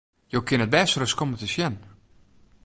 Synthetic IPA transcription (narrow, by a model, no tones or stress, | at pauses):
jokɪnət̚bɛsrəskomətəsjɛn